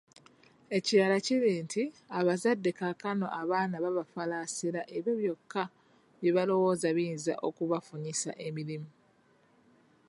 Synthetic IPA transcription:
e̞ciaːlaciɾiːntʰi | aβazadːe̞kakano̞̰ʔaβaːnaβaβafalaːsiɾaʔe̞βjoβjo̞kːa | βje̞βalo̞wo̞ːzaβinza̰ʔo̞kuβafuɲisa̰ʔe̞miɾimu

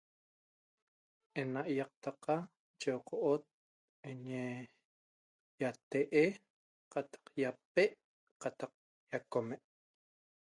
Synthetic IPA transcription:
ʔenaʔjɑq̚t̪aqa | t͡ʃewqʰoʔot̪̚ | eɲe | jat̪eʔe | qat̪ɑ̥qjap̚eʔ | qat̪ɑq̚ | jakomeʔ

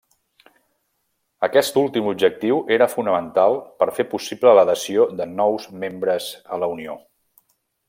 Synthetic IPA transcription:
əkɛst̪ulˠt̪imubʒək̚t̪iwʔeɾəfunəmənt̪alˠpəɾfepusiblələðəsiod̪ənɔwzmembɾəzələunio

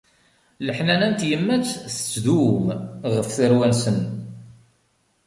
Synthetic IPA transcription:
ləħnænænt̪jəmːæt͡sːθə̥t͡sːðumʁəfθəɾwænsən

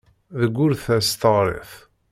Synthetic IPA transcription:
ðəɡʷːʊɾθæst̪əʁɾˤḛθ

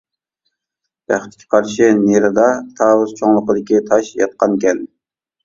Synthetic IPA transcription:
æ̰χt̪ʰɪ̥kʲʰːɛ̥qʰɑɾʃɪneɾɨd̪ɑt̪ʰɑːwʊzt͡ʃʰoŋlˠəqəd̪ɪkʲit̪ʰɑʃjɑ̰t̪̚qɑnkʲɛn

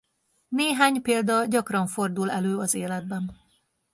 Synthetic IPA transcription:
neːɦaːɲpeːld̪ɒɟɒkrɒɱfo̞rd̪ulɛløːɒzeːlɛd̪̚bɛn

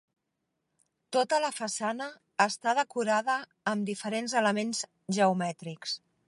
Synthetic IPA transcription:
t̪ot̪ələfəsanəː | st̪að̞əkuɾaðəː | md̪ifəɾenzələmenz̥ | ʒəumɛt̪ɾiks

